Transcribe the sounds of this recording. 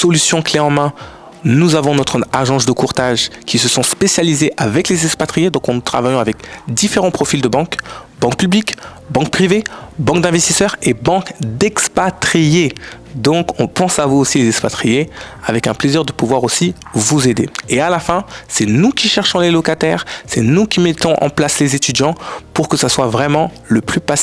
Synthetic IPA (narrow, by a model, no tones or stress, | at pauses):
sɔlysjɔ̃kleɑ̃mɛ̃ | nuzavɔ̃nɔt̪χaʒɑ̃sd̪əkuʁt̪aʒkʲʰisəsɔ̃spesjalizeʔavɛklezɛkspat̪χijed̪ɔ̃kɑ̃nut̪χavajɔ̃avɛkd̪ifeʁɑ̃pχɔfild̪əbɑ̃kbɑ̃k̚pyblik | bɑ̃k̚pχivebɑ̃k̚d̪ɛ̃vɛst̪isœʁebɑ̃kd̪ɛkspat̪χije | d̪ɔ̃kɔ̃pɑ̃savuosilezɛkspat̪χijeavɛkɛ̃pleziʁd̪əpuvwaʁosivuzed̪ḛealafɛ̃sɛnukʲiʃɛʁʃɔ̃lelɔkat̪ɛːʁsɛnukʲimɛt̪ɔ̃ʔɑ̰̃plaslezet̪yd̪jɑ̃puʁkəsaswavʁɛmɑ̃ | ləplypas